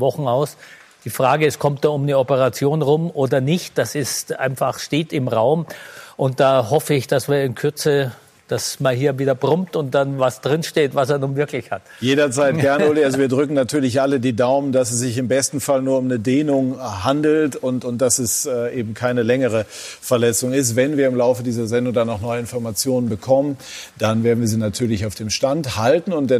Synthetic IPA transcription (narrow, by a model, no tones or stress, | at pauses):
vɔχn̩aʊs | d̥iːfʁ̥aːɡəɛskʰɔmtd̥aːʊmnəɔpəʁat͡sjoːnʁʊmʔoːdɐnɪçt̚d̥asɪstʔa̰ɪnfaχʃteːtɪmʁaʊmʔʊnt̚d̥aːhɔfəɪçd̥asv̥iːɐɪnkʰʏɐt͡sə | d̥asmaːlɦiːɐviːdɐbʁʊmp̚tʊnt̚d̥anvasd̥ʁɪnʃteːtvaseːɐnuːnvɪɐklɪçhat | jeːdɐt͡saɪt̚ɡ̥ɛɐnəoliʔalzoviːɐdʁʏkŋ̩natʰyːɐlɪçʔalədiːdaʊmənd̥asɛs̬z̥ɪçɪmbɛstn̩falnuːɐʊmnədeːnʊŋɦandl̩tʊntʊntd̥asɛsːʔeːbm̩kʰaɪnəlɛŋəʁə | fɛɐlɛt͡sʊŋɪstv̥ɛnviːɐɪmlaʊfədiːzɐzɛndʊŋdanːɔχnɔʏəɪnfɔɐmat͡sjoːnənbəkʰɔmənd̥anveːɐdn̩viɐziːnatʰyːɐlɪçaʊfd̥eːmʃtanthaltn̩ʊnt̚d̥ɛ